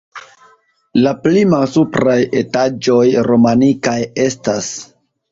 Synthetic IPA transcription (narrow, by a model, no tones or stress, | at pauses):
laplimalsupɾaje̞tad͡ʒo̞jɾo̞manikaje̞stas